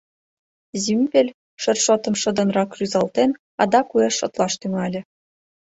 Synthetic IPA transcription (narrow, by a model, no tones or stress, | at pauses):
zimʲbʲelʲ | ʃə̆rʃot̪ɤ̆mʃɤ̆d̪ɤ̆nrɑkryzɑlˠt̪en | ɑd̪ɑkueʃːŏt̪lˠɑʃt̪yŋɑlʲɘ̆